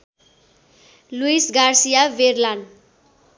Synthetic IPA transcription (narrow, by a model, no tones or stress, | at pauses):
luisɡarsijaʋerlan